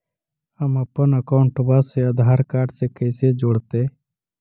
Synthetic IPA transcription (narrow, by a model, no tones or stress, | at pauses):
əməpːənəkaʊɳʈəbaseəd̪ʱɦaːɾkaːɾɖsekəjsed͡ʒoːɽt̪eː